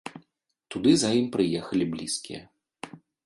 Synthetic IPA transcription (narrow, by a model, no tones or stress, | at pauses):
t̪ud̪ɨzajimpɾɨjɛxɐlʲiblʲiskʲḭjɛ̰